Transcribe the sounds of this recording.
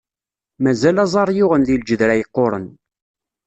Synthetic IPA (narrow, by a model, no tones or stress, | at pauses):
mæzælɑzˤɑɾˤjʊʁənðild͡ʒəðɾæjəqːoɾˤə̰n